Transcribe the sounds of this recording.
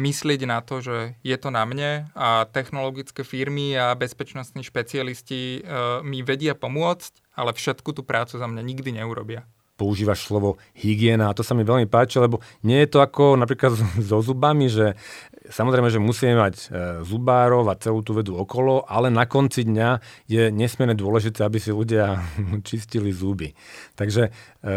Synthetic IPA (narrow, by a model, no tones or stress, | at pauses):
mislɪɛɟnat̪ɔʒɛjɛt̪ɔnamɲɛat̪ɛxnɔlɔɡit͡skɛfiɾmiabɛspɛt͡ʃnɔst̪niːʃpɛt͡sialiscimiʋɛɟɪapɔmʊɔt͡sc | alɛfʃɛt̪kut̪uːpɾʔaːt͡suzamɲaɲiɡd̪iɲɛuɾɔbɪa | pɔuʒiːʋaʃslɔʋɔ | hiɡɪɛːnaːt̪ɔsamiʋɛʎmipaːt͡ʃilɛbɔɲɪɛjɛt̪ɔakɔnap̬ɾiːklad̪zɔzubamiʒɛ | samɔzɾɛɪmɛʒɛmusiːmɛmaɟzubaːɾɔʊat͡sɛluːt̪uʋɛd̪uɔkɔlɔʔalɛnakɔnt͡sid̪ɲajɛɲɛsmɪɛɾɲɛd̪ʊɔlɛʒit̪ɛːabisiluɟɪat͡ʃiscilizubit̪aɡʒɛ